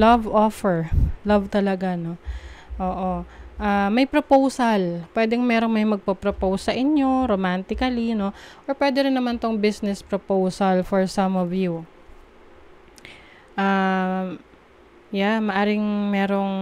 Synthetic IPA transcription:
lɐvʔofɛɹlɐvt̪ɐlɐɡano̞ʔoːʔo̞ʔamɐjpɾopowsɐlpwɛːd̪ɛŋmɛːɾo̞ŋmɐjmɐɡ̚pɐpɾopowsːɐʔɪɲjo̞ɾomant̪ɪkɐlino̞ʔoɹpwɛːd̪ɛɾɪnːɐmant̪oŋbisnɛspɾopowsɐlfoɹsɐmɔvju | ʔaː | jamɐʔaːɾɪŋmɛɾo̞ŋ

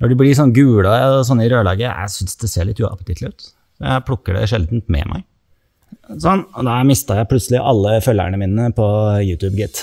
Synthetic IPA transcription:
nɔɖɛblɪʂ̬ɔnːɡʉːlɑɔs̬ɔnːəɪɾøːlɑ̰ːɡəjæ̰sʏnsd̪ɛseːɭɪt̪ːʉːɑ̰pət̪ɪt̪lɪʉːt̪ | sɔjæ̰ɪpʰɽʊkːəɖɛ̰ʂɛld̪nt̪mɛ̰mʔæ̰ɪ | sɔnːɔd̪ɑmɪst̪ɑjæɪpʰlʉt̪səlɪʔɑlːəfœlːæ̰ɳəmiːnəpʰɔjʉːt̪ʰʉːbɡɪt̪ː

